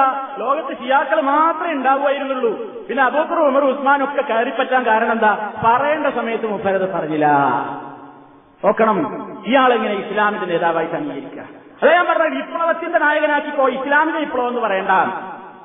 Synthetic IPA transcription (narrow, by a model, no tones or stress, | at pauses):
ɐlo̞ːɣɐt̪ːɨɕijaːkːɐɭɨmaːt̪rɐmuɳɖaːʋuʋaːjiɾunːuɭːu | pinːe̞ɐbuːt̪ːɐruumɐrusmaːno̞kːekɐːripːɐtːaːnkaːɾɐɳɐ̃mend̪aːpɐrɐjeːɳɖɐsɐmɐjɐt̪ːumupʰːɐɾɐðɨpɐrɐɲːilːɐ̰ | o̞ːkːɐɳɐmiːjaːɭiŋːɐneislaːmiðɐne̞ːðaːʋaːjisɐmijɐɾikʲːa̰ | ɐðaːjaːmpɐrɐɲːaɽipːoɭɐʋɐt̪ːjɐnd̪ɐnaːjɐɣɐnaːkːikːoːislaːmiðɐipːoɭoːʋenːɨpɐrɐjeːɳɖaːɳ